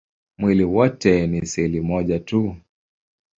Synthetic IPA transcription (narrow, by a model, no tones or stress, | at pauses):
mwiliwɔtɛnisɛlimɔʄatu